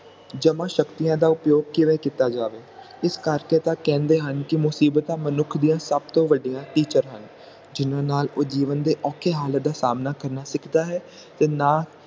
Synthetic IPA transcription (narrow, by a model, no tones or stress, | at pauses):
d͡ʒəmãːʃəkt̪ijãːd̪aːʊpjoːɡ̚kɪʋɛːkit̪aːd͡ʒaːʋeː | ɪskəɾkeːt̪ãːkɛ̃ːnd̪eːɦənkɪmʊsiːbt̪ãːmənʊkʰd̪ijãːsəb̚t̪õːʋəɖijãːʈiːt͡ʃəɾɦən | d͡ʒɪnãːnaːloːd͡ʒiːʋənd̪eːʔɔːkʰeːɦaːlət̪̚d̪aːsaːmnaːkəɾnaːsɪkʰd̪aːɦɛː | t̪eːnaː